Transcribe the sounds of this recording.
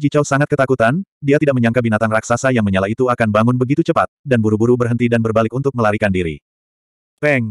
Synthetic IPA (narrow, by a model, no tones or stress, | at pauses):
d͡ʒit͡ʃawsaŋat̪̚kət̪akut̪andiat̪idakməɲaŋkabinat̪aŋraksasajaŋməɲalait̪uakanbaŋʊnbəɡit̪ut͡ʃəpat̪̚danbuɾubuɾubərɦənt̪idanbərbalɪkunt̪ʊk̚məlaɾikandiɾḭ | pɛŋ